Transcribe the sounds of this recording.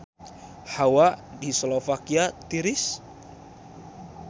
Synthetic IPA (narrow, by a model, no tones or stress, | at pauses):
hawadisɔlɔfakiat̪iɾɪs